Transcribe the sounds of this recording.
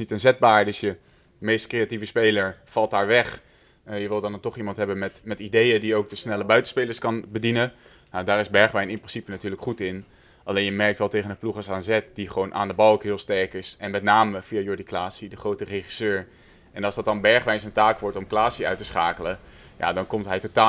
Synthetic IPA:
nitənzɛd̚baːɹdɵsjə | mejstkrejativəspejləɹfɑlˠt̚daːɹʋɛχ | jəʋɪlˠdɑntɔχimɑntɦɛbənmɛtmɛtidejədiowk̚dəsnɛləbœɥtənspejləɹskɑnbədinə | nawdaːɾɪzbɛɹχʋɛjnɪnprɪnsipənatyːɹləkχutɪn | ʔɑlejnjəmɛɹk̚tʋɛlˠtejχənəpluχɑsaːnzɛtdiχəʋownʔa̰ːndəbɑlˠokɦɪːlˠstɛɹkɪsɛnmɛtnaːməfiajʊɹdiklaːsidəχrowtəreχi̥søːɹ | ʔɛnɑlˠzdɑt̚dɑnbɛɹχʋɛjnsəntaːkʋɔɹtɔmklaːsiœ̰ɥtəsχaːkələ | ja̰dɑnkɔmtɦɛjtotaː

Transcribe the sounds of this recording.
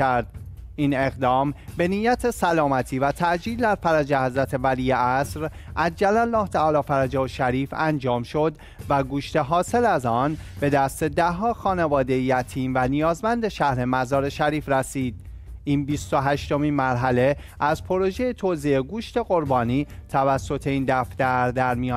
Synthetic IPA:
æɾd̪̥iːne̞ɣd̪ɒːmbe̞nijæt̪ʰe̞sælɒːmæt̪ʰiːvæt̪ʰæʔd͡ʒiːld̪æɾfæɾæd͡ʒehæzɾæt̪ʰe̞væliːjeʔæsɾ | ʔæd͡ʒd͡ʒælælːɒːht̪ʰæɒːlɒːfæɾæd͡ʒɒːʃæɾiːfænd͡ʒɒːmʃo̞d̪ | væɡuːʃt̪e̞ɦɒːse̞læzɒːnb̥e̞d̪æst̪e̞d̪æɦɒːxɒːne̞vɒːd̪e̞jjæt̪ʰiːnvænijɒːzmænd̪e̞ʃæhɾe̞mæzɒːɾe̞ʃæɾiːfɾæsiːd̪̥̚ | iːnbist̪o̞ɦæʃt̪o̞miːnmæɾɦæle̞ | æzpʰo̞ɾo̞ʒejet̪ʰozeeɡuːʃt̪e̞ɣo̞ɾbɒːniːt̪ʰævæsːo̞t̪ʰe̞iːnd̪æft̪æɾd̪æɾmijɒː

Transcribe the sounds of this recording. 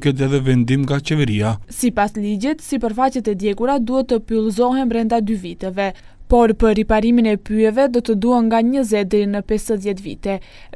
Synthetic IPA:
kɛt̪̬ɛðɛvɛnd̪imŋɡat͡ʃɛvɛɾiasipasliɟɛt̪sipəɾfacɛt̪ɛd̪jɛɡuɾad̪uhɛt̪ːəpylˠzɔɦɛnbɾɛnd̪ad̪yvit̪ɛvɛ | pɔɾpəɾripaɾiminɛpyɛvɛd̪ɔt̪əd̪uɦanŋɡaɲəzɛd̪ɾinəpɛsəðjɛt̪vḭt̪ɛ

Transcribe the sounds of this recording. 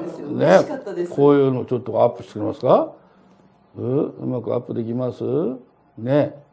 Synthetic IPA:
nekʰo̞ːjɯ̟ːnoːt͡ɕo̞t̪ːo̞apːɯ̥ɕi̥t̪t͡sekɯɾemasɨ̥ka | ɯɯ̰makɯ̟a̰pːɯ̟d̪e̞kʲimasɨ | ne̞

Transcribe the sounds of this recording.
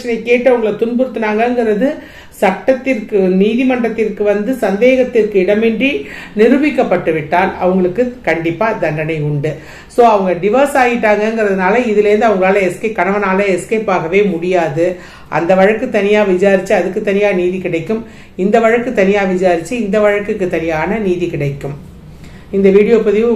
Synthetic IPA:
t͡ʃːɐnɐɪkːeːʈːɯɐʋɐŋɡɐɭɐt̪ʊnbɯɾɯt̪ːɯnaːŋɡɐɛŋɡɪɾɐðɯ | sɐkʈːɐt̪ːɪrkɯniːðimɐɳɖrɐt̪ːɪrkɯʋɐnd̪ɯsɐnd̪eːɣɐt̪ːɪrkɯɪɽɐmɛndrinɪɾɯʋɪkːɐpːɐʈːɯʋɪʈːaːlɐ̰ʋɐŋɡɐɭɯkːɯkɐɳɖɪpːaːd̪ɐɳɖɐnɐɪʊɳɖɯ | soːɐʋɐŋɡɐɖɪʋɐɾsaːɣɪʈːaːŋɡɐɛŋɡɪɾɐðɯnaːlɐɪðɪlɛɾɯnd̪ɯɐʋɐŋɡɐɭaːlɐɛskeːkɐɳɐʋɐnaːlɐɛskeːpaːɣɐʋeːmʊɽɪjaːðɯ | ʔɐ̰nd̪ɐʋɐɻɐkːɯt̪ːɐnɪjaːʋɪd͡ʒaːɾɪt͡ʃːɯɐðɯkːɯt̪ːɐnɪjaːniːðikɪɽɐɪkːɯm | ɪnd̪ɐʋɐɻɐkːɯt̪ːɐnɪjaːʋɪd͡ʒaːɾɪt͡ʃːɯɪnd̪ɐʋɐɻɐkːɯkːɯt̪ɐnɪjaːnɐniːðikɪɽɐɪkːɯm | ɪnd̪ɐʋiːɽɪjoːpɐðɪ

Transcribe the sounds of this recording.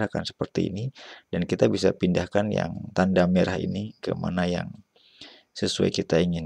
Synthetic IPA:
ɾakansə̥pərt̪ḭːnid̥ankit̪abisapindahkanja̰ŋt̪andameɾahḭnikə̰ma̰naja̰ŋ | səsua̰jkit̪aiŋɪn

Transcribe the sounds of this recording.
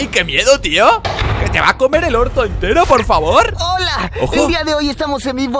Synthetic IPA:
jkemje̞ðot̪ioke̞t̪e̞̰βa̰ko̞me̞ɾe̞lo̞ɾt̪oent̪e̞ɾo̞po̞ɾfaβoɾolaoxeod̪iaðeoje̞st̪amo̞senbiβo

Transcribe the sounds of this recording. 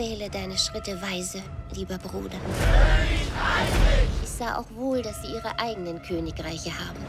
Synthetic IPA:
ɛːlədaɪnəʃʁ̥ɪtəvaɪzəliːbɐbʁuːdɐ | ɪçz̥aːʔa̰ʊxv̥oːldasz̥iːʔiːʁəʔaɪɡənənkʰøːnɪkʁaɪçəhaːbm̩

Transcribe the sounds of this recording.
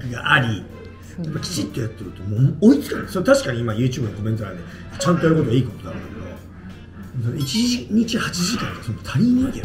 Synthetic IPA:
kɯɡa̰ʔaɾʲi | japːakʲi̥t͡ɕit̪ːo̞jat̪ːe̞ɾɯ̟t̪o̞moːmoit͡sɨ̥kãnd̪sot̪aɕi̥kaɲ̟iimajɯ̟ːt͡ɕɨːbɯnkoment̪oɾã̰d̪e | at͡ɕãnt̪o̞jaɾɯ̟ko̞t̪oaiːko̞t̪od̪a̰õ̰kḛked̪o̞̰ | sonoit͡ɕiɲ̟it͡ɕihat͡ɕiʑikãt̪osõnd̪ot̪ʰaɾʲinʲĩŋkʲḛ

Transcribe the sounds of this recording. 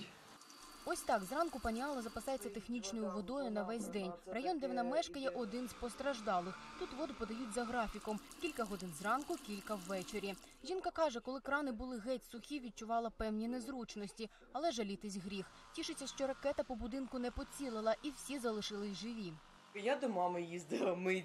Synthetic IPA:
ɔsʲt̪ɑkzrɑnkʊpɐnʲiɑlˠɐzɐpɐsɑjet͡sʲːɐt̪exnʲit͡ʃnɔjʊʋɔd̪ɔjʊnɐʋɛsʲd̪ɛnʲrɐjɔnd̪ɛwnɐmɛʃkɐjɛʔɔd̪ɪnspɔst̪ɾɐʒd̪ɑlˠɪxt̪ut̪ʋɔd̪ʊpɔd̪ɐjutʲzɐɦɾɑfʲikɔmkʲilʲkɐɦɔd̪ɪnzrɑnkʊkʲilʲkɐwːɛt͡ʃeɾʲi | ʒʲinkɐkɑʒɛkɔlˠɪkɾɑnɪbʊlˠɪɣɛtʲsʊxʲiʋʲid̪̚t͡ʃʊʋɑlˠɐpɛwnʲinezɾut͡ʃnɔsʲtʲi | ɐlˠɛʒɐlʲit̪ɪsʲɦɾʲix | tʲiʃɪt͡sʲːɐʃt͡ʃɔɾɐkɛt̪ɐpɔbʊd̪ɪnkʊnɛpɔt͡sʲilˠɪlˠɐʔiwsʲizɐlˠɪʃɪlˠɪsʲʒɪʋʲi | jad̪ɔmɑmɪjizd̪ɪlˠɐmɪ

